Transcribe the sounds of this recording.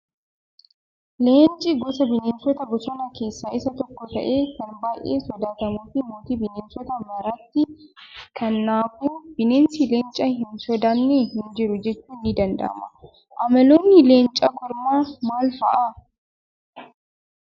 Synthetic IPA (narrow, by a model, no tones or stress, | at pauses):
leːnt͡ʃʼːɪɡɔsɐbɪneːnsɔt̪ɐɡɔsɔnɐke̞ːsːɐʔɪsɐt̪ɔkːɔt̪ɐ̰ʔe̞ːkɐnbaːʔḛːsɔd̪aːt̪ɐmuːfɪmoːt̪ibɪneːnsɔt̪ɐmɐɾɐt̪ːɪkʰɐnːaːfuːb̥ɪneːnsɪleːnt͡ʃʼːɐhɪnsɔd̪anːeɦɪnd͡ʒɪɾʊd͡ʒɛt͡ʃːuːnːɪd̪ɐnd̪ɐ̰ʔɐ̰mɐ̰ | ʔɐmɐlonːɪle̞ːnt͡ʃʼɐɡɔɾmaːmaːlfɐʔa